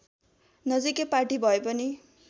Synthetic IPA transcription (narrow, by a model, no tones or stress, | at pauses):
nʌd͡zikepaʈibʱʌepʌni